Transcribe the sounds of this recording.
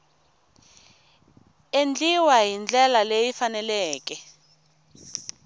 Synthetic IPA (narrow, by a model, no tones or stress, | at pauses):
end͡ɮiwaɦind͡ɮɛlalejifanɛlɛːkɛ